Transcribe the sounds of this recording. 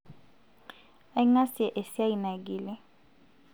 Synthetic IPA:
a˦i˦ŋa˦si˦ɛ˨ʔe˨si˦a˦i˨na˨ɡiː˨lɛ˦

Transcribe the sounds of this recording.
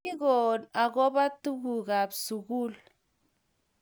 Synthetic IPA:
i˦ɣo˨na˨ɣo˦ba˦tu˦ɣu˨ɣa˨bsu˨ɣu˦l

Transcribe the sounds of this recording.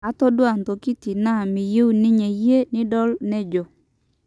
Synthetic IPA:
a˦tɔ˦dwa˨nto˨ki˦ti˨na˦˨mɪ˨je˦u˨nɪ˦ɲɛ˨je˦nɪ˦dɔ˦lnɛ˦d͡ʒo˨

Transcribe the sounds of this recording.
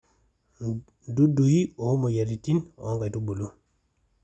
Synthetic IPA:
du˦du˨hi˦o˨hu˦mo˨ja˨ɾi˨ti˦no̰˦ŋɡa˨tu˦bo˨lu˦

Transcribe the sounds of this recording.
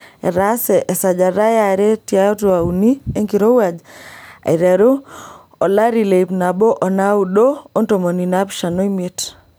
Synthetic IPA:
ɛ̰˨ɾa˦sɛ˨ʔɛ˨sa˨d͡ʒa˨ɾa˦ja˨ɾe˦tja˦twa˨u˨ni˦e˦ŋki˨ɾo˦wa˨d͡ʒa̰˨i˨ɾɛ˨ɾu˦ | ɔ˨la˦ɾi˨le˨i˨pna˨bɔ˦ʔɔ˨na˦u˨ɗo˦o˦nto˨mo˨ni˨na˦pʃa˨no˦i˦me˦t

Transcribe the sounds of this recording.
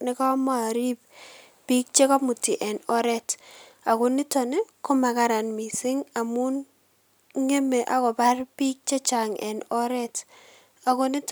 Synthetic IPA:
nɪ˦kɔ˦mɔ˦a˨ɾi˦p̚ | bi˦k̚t͡ʃe˦kɔ˦mu˨ti˨ʔɛ˨nɔ˦ɾɛ˦t | a˨kʊ˨nɪ˦tɔ˨ne˦ko˦ma˨ka˦ɾa˨nmi˨sɪ˦ŋa˨mu˦n | ŋe˦me˨ʔa˨˦kɔ˨pa˦rpi˦k̚t͡ʃe˦t͡ʃa˨ŋɛ̰˨nɔ˦ɾɛ˦t | a˨kʊ˦ni˦t

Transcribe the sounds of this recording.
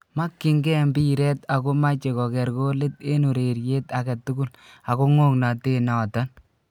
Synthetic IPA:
ma˦kːɪ˦ŋɡɛ˦mbi˦ɾɛ˦ta˨ko˦ma˦t͡ʃe˨kɔ˨kɛ˨ɾko˦lɪ˦te˦nu˨ɾe˨ɾje˦ta˨kɛ˨tʊ˦ku˦la˨ko˦ŋo˦kna˨te˦nɔ˨ta˦n

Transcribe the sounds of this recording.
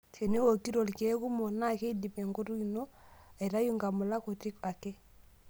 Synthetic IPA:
te˨ne˦wo˨ki˦ɾo˨lke˨˦ku˦mo˨na˦˨ke˦i˦di˨me˨ŋɡo˦tu˦i˨no˦a˨i˨ɾa˦ju˦ŋɡa˨mʊ˨la˦ko˨ti˦ka˨kɛ˦

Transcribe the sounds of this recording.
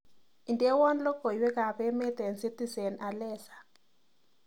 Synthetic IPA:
i˨ndʼɛ˦wɔ˦nlɔ˦kɔ˨jwɛ˦ka˨βɛ˦mɛ˦t̪ɛ˨nsi˦ti˦zɛ˨na˨lɛː˦sḁ˨

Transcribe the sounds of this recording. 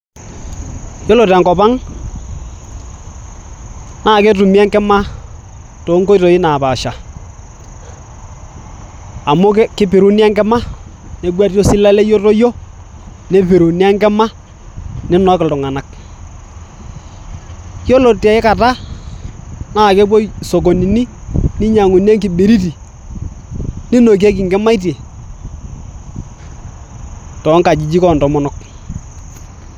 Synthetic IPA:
jo˦lo˨ta˨ŋkɔ˨ba˦ŋ | naː˨˦˨ke˦tu˨mi˦a˦ŋkɛ˦ma˦ | to˨˦ŋko˦i˦to˨ɪ˦na˨pa˨ʃa˨ | a˨mʊ˦kkɪ˦pi˨ɾu˦nja˦ŋkɛ˦ma˦ | ne˨˦ɡwa˦tjo˦sɪ˦la˦le˦jo˦to˦jo˦ | ne˦pi˨ɾu˨ni˦a˦ŋkɛ˦ma˦ | nɪ˦nɔ˨˦kɪ˨ltʊ˨ŋa˨na˨k̚ | kjo˦lo˨tja˨ɪ˦ka˨ta˦ | na˦˨kɛ˦bɔ˦so˨k̬o˨ni˨ni˦nɪ˦ɲa˨ŋu˨nja˦ŋki˨ɓe˨ɾi˦t̬i˨ | ni˦no˨k̬e˦k̬i˨ŋɡɛ˦ma˦i˦t̬e˨ | tɔ˨˦ŋka˨d͡ʒi˨d͡ʒi˦kɔ˦˨ndɔ˨mɔ˦nɔ˦k

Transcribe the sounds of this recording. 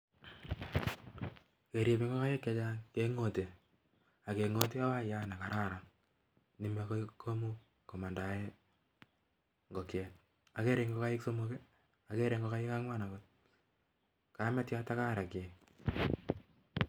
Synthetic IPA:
ke˨ɾje˨pi˦ŋɡɔ˦ka˦je˦kːe˨˦t͡ʃa˦ŋke˦ŋo˨te˨ | a˨ke˨ŋo˦t̬e˦a˦wa˦ja˦na˨ka˨ɾa˦ɾa˨ŋ | ni˨mekko˦mu˦ | ko˨ma˨nda˨e˦ | ŋɡɔ˨kjɛ˨t̚ | a˨ke˦ɾe˨ŋɡo˦ka˦jɪ˦kso˦moke˦ | a˨ke˦ɾe˨ŋɡɔ˦ka˦je˦ka˦ŋwa˦na˨kot | ka˦mɛ˦tja˦ta˦ka˦ɾa˨ke˨

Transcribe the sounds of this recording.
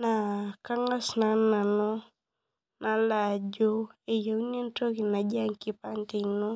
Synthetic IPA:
na˨ka˦ŋɡa˦sna˨˦nːa˨no˦ | na˨la˨d͡ʒo˦e˨jo˨˦ne˦n˦to˦ki˨na˨d͡ʒa˦ŋki˦pa˦nti˨no˦

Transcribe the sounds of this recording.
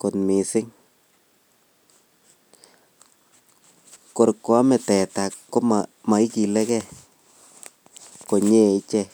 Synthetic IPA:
ko˨tmi˨sɪ˦ŋ | ko˨ɾkːo˨˦a˦mɛ˨tɛ˨ta˨kkːo˦mama˨i˦ki˨lɛ˦kɛ˦ | ko˨ɲe˦˨i˦t͡ʃɛ˦˨

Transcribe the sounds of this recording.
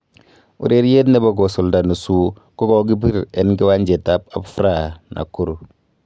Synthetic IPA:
ṵ˨ɾe˦ɾje˦tne˦bo˦ɡɔ˨sɔ˨lda˨nu˨su˦ | ko˦ɡɔ˨ɡi˦b̬i˦ɾe˨nɡi˦wa˦ɲd͡ʒe˨ta˦p̚a˨bfɾa˨nʔa̰˨ku˦ɾu˨

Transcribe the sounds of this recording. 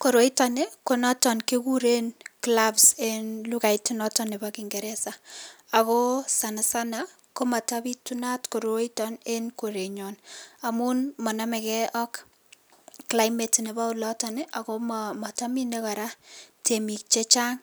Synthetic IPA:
koɾo˦itaneko˦nɔ˦tɔ˨nkeku˦ɾe˦nklabsenluka˨itunɔtɔne˨bakiŋɡe˨ɾɛ˦saa˨ko˦sa˨na˨sana | ko˦ma˨tabi˦tuna˦tko˨ɾo˦itɔne˦nko˨ɾe˨ɲɔnamunmɔ˨namɛ˨kɛʔɔk | kla˦jmetne˨ba˦u˦lɔtɔneʔa˨komma˨tami˦neka˨ɾatʰemi˨k̚t͡ʃe˦t͡ʃa˦ŋ

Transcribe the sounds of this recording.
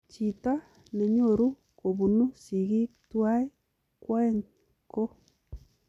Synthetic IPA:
t͡ʃi˨ta˦ | ne˨ɲo˨ɾu˦ | ko˨βu˨nu˦si˨ɣi˦twai˦ | kwa˦ŋ | ko˦

